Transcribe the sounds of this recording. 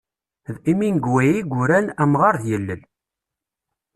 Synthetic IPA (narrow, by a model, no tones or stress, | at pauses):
ðiminɡwæjiɡʷʊɾænæmʁɑɾðjəlːəl